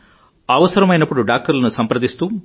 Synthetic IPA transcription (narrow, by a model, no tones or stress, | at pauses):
ɐʋɐsɐɾɐmɐjnɐpːuɽuɖaːk̚ʈɐɾlɐnusɐmpɐɾɐd̪ist̪uː